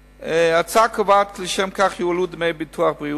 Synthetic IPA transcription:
eat͡sakʰovatleʃɛmkaχjualud̪mejbitʰuaχbʁi

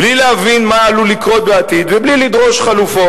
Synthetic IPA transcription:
blileavinmaːlulikʁo̞t̪̚beat̪id̪veblilid̪ʁo̞ʃχalufo

